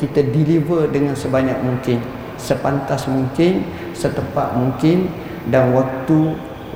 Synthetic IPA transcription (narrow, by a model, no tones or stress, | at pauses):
kit̪adilivərdəŋãnsəbaɲak̚muŋkɪn | səpant̪asmuŋkɪn | sət̪əmpa̰t̪̚muŋkɪn | danwak̚t̪u